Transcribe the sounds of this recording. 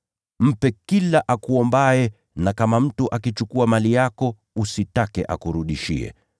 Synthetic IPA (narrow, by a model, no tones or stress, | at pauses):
m̩pɛkilaʔakuɔmbaɛ | nakamam̩tuʔakit͡ʃukuamalijakɔ | usitakɛ̰ʔa̰kuɾuɗiʃḭɛ̰